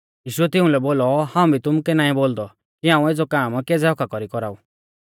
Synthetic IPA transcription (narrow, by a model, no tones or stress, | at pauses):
jiːʃʊɛt̪ɪ̃ũlɛboːlɔhãːũbʱit̪ʊmukɛnaːĩboːld̪ɔ | kiãːũed͡zɔkaːmked͡zɛɔkʰakɔɾikɔɾaːu